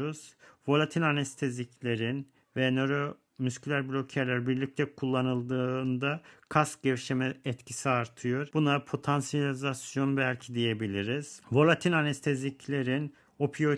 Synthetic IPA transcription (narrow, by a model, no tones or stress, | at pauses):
uz̥vo̞lˠat̪ʰinanɛst̪ʰezicʰlʲe̞ɾin | vɛnøɾo | myskʰylʲæɾblʲo̞cʰæɾlʲæɾbiɾlʲic̚t̪ʰɛkʰulˠːanɯlˠd̪ɯːnd̪akʰas̚ɟɛfʃemɛɛt̪cʰisiaɾt̪ʰɯjoɾbunapʰo̞t̪ʰansijalʲizasjo̞nbælʲcʰid̪ije̞bilʲiɾiz̥vo̞lˠat̪ʰinanɛst̪ʰezicʰlʲe̞ɾin | o̞pʰijo̞